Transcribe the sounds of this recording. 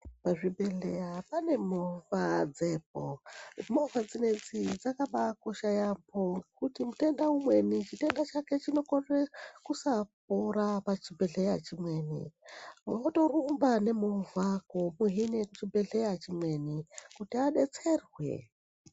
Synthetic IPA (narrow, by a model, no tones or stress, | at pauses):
paʐibʱeɮejapane̞movad͡zep̚omovad͡zined͡zid͡zakaɓakoʃajambokutimute̞ndaumwe̞nit͡ʃite̞ndat͡ʃake̞t͡ʃino̞korekusap̚oɾapat͡ʃibeɮejat͡ʃimwe̞ːnḭ | woto̞rumbane̞movakomuɦineut͡ʃibe̞ɮejat͡ʃimwe̞nikutiaɗet͡se̞rwḛ